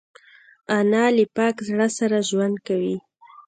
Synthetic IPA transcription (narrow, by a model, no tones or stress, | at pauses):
anɑlɪpɑkzɽəsaɾaʒwand̪̚kawi